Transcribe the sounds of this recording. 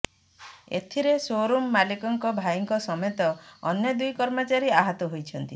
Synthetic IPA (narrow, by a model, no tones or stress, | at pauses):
ḛt̪ʰiɾesoɾomːalikɔŋkɔbʱajɔŋkɔsɔmet̪ɔːnjɔd̪ujkɔɾmɔt͡ʃaɾiaɦɔt̪ɔɦojt͡ʃʰɔnt̪i